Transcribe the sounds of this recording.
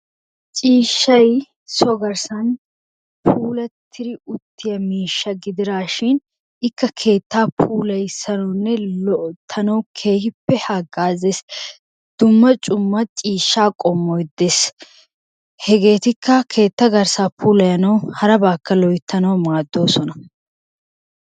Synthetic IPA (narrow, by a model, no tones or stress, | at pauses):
t͡ʃʼiːʃːɐj | sɔɡɐɾsɐn | pʰuːlɐt̪ʰːɪɾɪʊt̪ʰːɪjɐmiːʃːɐɡɪd̪ɪɾaːʃɪn | ɪkːɐkʰe̞ːt̪ːaːpʰuːlɐjsɐnɐwnːɛlɔʔt̪ʰːɐnɐwkʰeːhɪpːɛhɐɡːaːzes | d̪̥ʊmːɐt͡ʃʼʊmːɐt͡ʃʼiːʃːaːkʼɔmːɔjd̪ːeːs | hɛɡe̞ːt̪ɪkʰːɐkʰe̞ːt̪ːɐɡɐɾsaːpuːlɐjɐnɐwhɐɾɐbaːkːɐlɔjɪt̪ːɐnɐwmaːd̪ːo̞ːsɔnɐ